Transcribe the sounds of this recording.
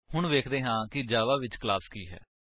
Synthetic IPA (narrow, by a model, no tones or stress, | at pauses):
hʊɳʋeːkʰd̪eːɦãːkɪd͡ʒaːʋaːʋɪt͡ʃklaːskiːɦɛ̰ː